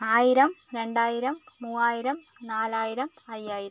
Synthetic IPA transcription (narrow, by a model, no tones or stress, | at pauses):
aːjiɾɐmɾe̞ɳɖaːjiɾɐmːuːaːjiɾɐm | naːlaːjiɾɐm | ɐjːaːjiɾɐ